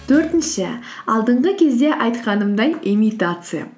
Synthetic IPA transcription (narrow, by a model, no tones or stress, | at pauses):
t̪ʰɵɾt̪ɪnʃɪɑlˠd̪əɴʁəkʲʰe̞zd̪e̞ʔɑjt̪qɑnəmd̪ɑnimijt̪at̪sɨja̰